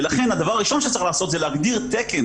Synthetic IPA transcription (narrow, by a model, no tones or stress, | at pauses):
elaχe̞nad̪avaʁaʁiʃo̞nʃet͡saʁiχlaːso̞t̪zeleaɡd̪iʁt̪eken